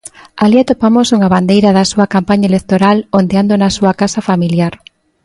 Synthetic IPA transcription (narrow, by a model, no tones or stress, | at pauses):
aliat̪opamosuŋɐβand̪ejɾɐðɐsuɐkampaɲaelekt̪oɾalond̪eand̪onɐsuɐkasɐfamiljaɾ